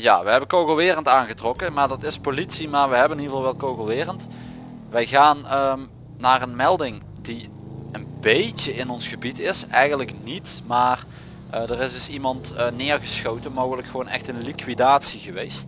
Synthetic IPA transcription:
ja̰ːʋəɦɛbəkowɣəl̩ˠʋɪːrəntaːnɣətrɔkəmaːɹdɑtɪspolitsimaːɹʋəɦɛbəniːvɑlˠʋɛlˠkowɣəlˠʋɪːrənt | ʋɛjɣaːnəmː | aːrənmɛlˠdɪŋ | di | ənbejtəɪnɔnsχəbitɪsɛ̰jɣəntləknitmaːr | dərɪsdɵsimɑntnɪːɹɣəsxowtənmowɣələkxəʋoːnɛ̰xtənlikʋidaːtsiɣəʋejst

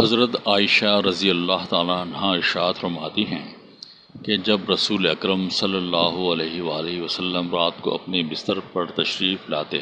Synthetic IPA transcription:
ɦɐzɾət̪aːɪʃaɾɐzijəlːaːɦt̪aːlanɐɦãɪɾʃaːd̪fɐɾmaːt̪iɦɛ̃ | ked͡ʒɐbɾɐsuːleɐkɾəmsɐlːəlːaːɦoɐleːɦeʋaːleɦʋɐsɐlːəmɾaːt̪̚ko̰ɐ̰pnebɪst̪əɾpɐɾt̪ɐʃɾiːflaːt̪eɦɛ̃ː

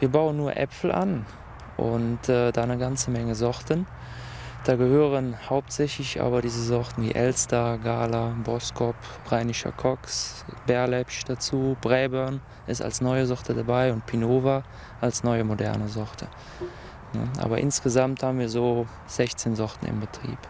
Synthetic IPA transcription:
viːɐbaʊənːuːɐʔɛ̰fl̩ʔa̰n | ʔʊ̰ntɛːdaːnəɡant͡səmɛŋəzɔtən | d̥aːɡəhøːʁənhaʊp̚tz̥ɛçlɪçʔa̰ːbɐdiːzəzɔʁtn̩vḭːʔɛlstaɡaːlabɔskʰɔp | ʁaɪnɪʃɐ̰kʰɔksb̥ɛɐlɛpʃd̥at͡suːb̥ʁɛːbœɐn | ʔɪsta̰lsnɔʏəzɔʁtʰədabaɪʊntpʰinoːva | ʔalsnɔʏəmodɛ̰ɐnəzɔʁtʰə | nə̰ʔa̰ːbɐʔɪ̰nsɡ̥əzamthaːbn̩viːɐzoː | z̥ɛçt͡seːnzɔʁtn̩ɪ̰mbətʁ̥ḭːp

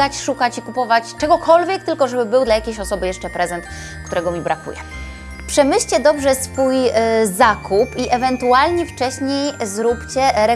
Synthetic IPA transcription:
at͡ɕʂukat͡ɕikupɔvat͡ɕt͡ʂɛɡɔkʰɔlvʲjɛk̚t̪ɘlkɔʐɛbɘbɘwd̪lajakʲejɕɔsɔbɘjɛʂt͡ʂɛpɾɛzɛnt̪ | kt̪uɾɛɡɔmʲibɾakṵjɛ̰ | pʂɛmɘɕt͡ɕɛd̪ɔbʐɛsfujzakʰupiʔɛvɛnt̪ualɲɛft͡ʂɛɕɲejzɾupt͡ɕɛɾɛ

